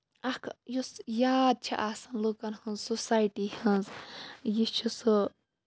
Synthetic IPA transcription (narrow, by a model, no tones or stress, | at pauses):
ɐkʰjusjaːd̪̚t͡ʃʰḭʔaːsɐnlukɐnhɨ̃nzsosajʈihɨnzjit͡ʃʰusɨ